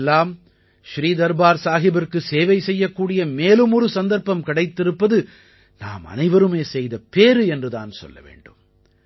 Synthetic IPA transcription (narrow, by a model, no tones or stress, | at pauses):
lːaːm | ʃɾiːd̪ɐɾbaːɾsaːɦɪbɐrkɯseːʋɐɪsɛjːɐkːuːɽɪjɐmeːlɯmɔɾɯsɐnd̪ɐɾpɐmkɪɽɐɪt̪ːɪɾɯpːɐðɯ | na̰ːmɐ̰nɐɪʋɐɾɯmeːsɛjðɐpeːɾɯɛndrɯða̰ːnsɔ̰lːɐ̰ʋḛːɳɖɯm